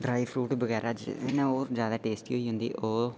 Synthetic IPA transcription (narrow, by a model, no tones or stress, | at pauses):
ɖɾaːipʰɾuːʈbəɡɛːɾaːd͡ʒɪ̰enẽoːɾd͡ʒjaːd̪aːʈeːsʈioːiːɦʊ̃nd̪ḭːʔoː